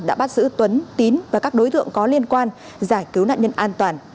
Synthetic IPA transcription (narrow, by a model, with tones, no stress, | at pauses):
ɗa̰ː˧˥ɓa˦˥t̚zɨ̰˧˥t̪wə˨˦nt̪i˨˦nvaː˨˩kaː˦˥k̚ɗo˨˦jt̪ɨ̰˧˨əŋkɔ˨˦li˧ənkwaː˧n | zaː˧˩jkɨ˨˦wna̰ː˧˨ɲə˧nʔaː˧nt̪waː˨˩n